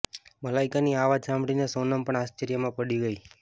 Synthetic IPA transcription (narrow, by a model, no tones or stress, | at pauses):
məlaikaniaʋad͡ʒsãmɽinesonəmpəɳast͡ʃeɾjəmãpəɽiɡəi